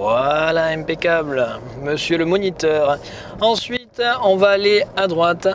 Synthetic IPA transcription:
alaɛ̃pekabl | məsjøləmɔnit̪œʁ | ɑ̃sɥit̪ɔ̃vaːlead̪ʁwat̪

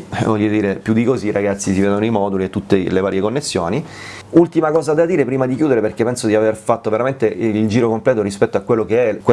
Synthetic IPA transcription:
vɔʎːod̪iːɾepjud̪ːikoziːraɡat̪sːisiveːd̪onoimɔːd̪uliet̪ːut̪ːelevaːɾjekonːesːjoːni | ult̪imakɔːzad̪ad̪iːɾepɾiːmad̪ikjuːd̪eɾeperkepɛnsod̪iaverfat̪ːoveɾament̪eild͡ʒiːɾokomplɛːt̪oɾispɛt̪ːoakːwelːokeɛkwe

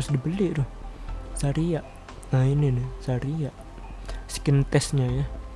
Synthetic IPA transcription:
ʊsdibəlɪʔdʊhsaɾiaʔ | ŋaininisaɾijaʔ | skɪnt̪ɛsɲaja

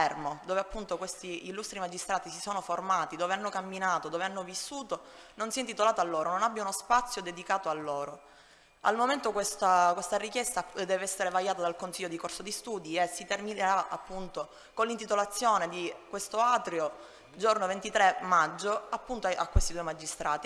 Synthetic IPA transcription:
ɛrmod̪oːveapːunt̪okwest̪iːlːust̪ɾimad͡ʒist̪ɾaːt̪isisoːnoformaːt̪id̪oːveanːokamːinaːt̪od̪oːveanːovisːuːt̪ononsiɛent̪it̪olaːt̪alːoːɾononabːjaunospat̪sːjod̪ed̪ikaːt̪oalːoːɾo | a̰lmoment̪okwest̪akwest̪arikjɛst̪ad̪ɛːveɛsːeɾevajaːt̪ad̪alkonsiʎːod̪ikorsod̪ist̪uːd̪iesːit̪ermineɾaa̰pːunt̪o | konlːint̪it̪olat̪sːjoːned̪ikwest̪oaːt̪ɾjo | d͡ʒornovent̪it̪ɾemad͡ʒːoapːunt̪oakːwest̪id̪uːemad͡ʒist̪ɾʔaːt̪i

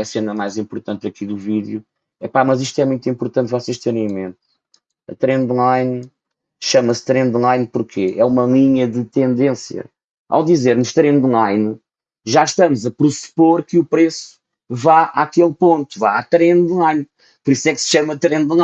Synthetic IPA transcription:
ɐsenɐmajzĩmpuɾt̪ɐ̃nt̪̚ɐkiðuviðju | ɛpamɐziʃt̪wɛmũj̃t̪ĩmpuɾt̪ɐ̃nt̪vɔseʃt̪eɾɐ̃j̃mẽnt̪ | ɐt̪ɾẽnd̪lˠajn | ʃɐmɐst̪ɾẽnd̪lˠajnpuɾkʰeʔɛumɐlˠiɲɐðɨt̪ẽnd̪ẽsjɐ̰ | ʔa̰wd̪izeɾnuʃt̪ɾẽnd̪lˠajn | ʒaʃt̪ɐmuzɐpɾɨspoɾkɨupɾesu̥ | vaakelˠpõnt̪u̥vaat̪ɾẽnd̪lˠajn | puɾisɛksʃɐmɐt̪ɾẽnd̪lˠa

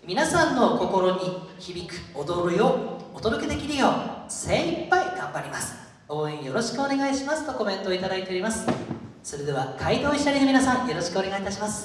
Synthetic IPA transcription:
mʲinasãnːo̞ko̞ko̞ɾo̞ɲ̟içibʲikɯ̟̥od̪o̞ɾɯjood̪o̞d̪o̞ke̞d̪e̞kʲiɾɯ̟jo̞ːsẽ̞ipːaiɡãmbaɾʲimasɨ̥ | o̞ːẽjo̞ɾo̞ɕi̥kɯ̟o̞ne̞ɡaiɕimasɨ̥t̪o̞ko̞mẽ̞nt̪oːit̪ad̪ait̪e̞o̞ɾʲimasɨ̥ | so̞ɾed̪e̞βakʰaid̪oːiɕi̥t̪aɾʲid̪eminasãɰ̃jo̞ɾo̞ɕi̥kɯ̟o̞ne̞ɡait̪aɕimasɨ̥

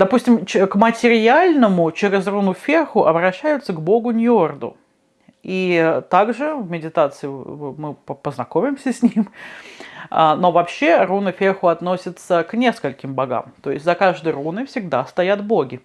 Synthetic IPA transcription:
d̪ɐpusʲtʲɪmt͡ɕkmətʲɪɾʲɪalʲnəmʊt͡ɕeɾʲɪzrunʊfʲexʊʔɐbɾɐɕːæjʊt̪səɡbo̞ɡʊnʲord̪ʊ̰ | it̪aɡʐɨvmʲɪdʲɪt̪at̪sɨɪmɨpəpəznɐko̞mʲɪmsʲəsʲnʲim | ano̞vɐpɕːe̞runɨfʲexʊɐt̪no̞sʲɪt̪səknʲe̞skəlʲkʲɪmbɐɡa̰mt̪o̞ɪsʲt̪ʲzɐkaʐd̪əjrunɨfsʲɪɡd̪ast̪ɐjat̪boɡʲɪ

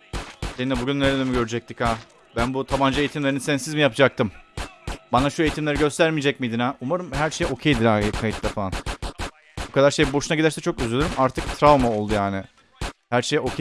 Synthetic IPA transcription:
seinɛbuɟynːeɾed̪emiɟø̞ɾyd͡ʒɛc̚t̪ʰikhaː | bænbut̪ʰaband͡ʒaeit̪ʰimlʲe̞ɾinisɛnsizmijapd͡ʒak̚t̪ɯm | banaʃuejit̪ʰimlʲeɾiɡɟø̞st̪ʰæɾmid͡ʒɛc̚mid̪inaʔumaɾɯmɦæɾʃejo̞cʰejd̪inakʰajit̪lafaan | bokʰad̪aɾʃejbo̞ʃunaɟid̪æɾsɛt͡ʃʰo̞kyzylʲyɾymaɾt̪ʰɯk̚t̪ʰɾavmao̞lˠd̪ujaːnɪ | hæɾʃejo̞cʰe

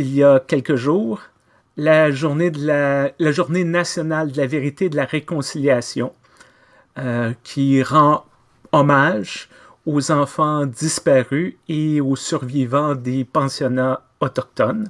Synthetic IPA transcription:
ilijakʲɛlkəʒuːʁ | laʒuʁned̪əlalaʒuʁnenasjɔnald̪əlaveʁit̪ed̪əlaʁekɔ̃siljasjɔ̃ | kʲʰiʁɑ̃ | ɔmaːʒ | ozɑ̃fɑ̃d̪d͡zispaʁyeosyʁvivɑ̃d̪epɑ̃sjɔnã | ɔt̪ɔk̚t̪ɔn

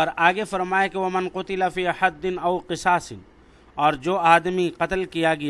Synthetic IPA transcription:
ɐɾaːɡefɐɾmaːekeʋɐmɐnqʊt̪ɪlafiːħɐd̪ːɪnɐwqɪsaːsɪn | ɔːɾd͡ʒoːaːd̪miqɐt̪lkijaɡɐja

